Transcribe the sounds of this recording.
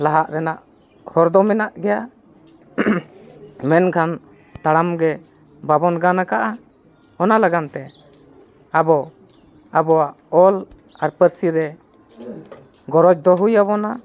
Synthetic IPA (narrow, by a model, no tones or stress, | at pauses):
laɦaʔɾɛnaʔ | hɔɾd̪ɔmɛnaʔɡɛja | mɛnkʰan | t̪aɽamɡɛ | babɔnɡanakaʔa | ɔnalaɡant̪ɛ | abɔ | abɔwaʔɔl | aɾpəɾsiɾɛ | ɡɔɾɔd͡ʒ̚d̪ɔɦujaβɔna